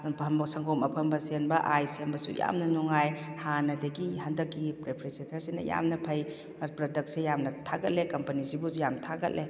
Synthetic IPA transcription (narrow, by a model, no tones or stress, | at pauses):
pʰmbsɐŋɡʰomɐpʰɐmbɐsenbɐʔajsenbɐsṵja̰mnɐnuŋajhanɐdɐɡiɦɐndɐkːipɾepʰɾesetʰɐɾsinɐ̰ja̰mnɐpʰɐj | pɾɔdɐk̚t̚sejamnɐtʰaɡɐt̚lekɐmpɐnizibujamtʰaɡɐt̚lʔe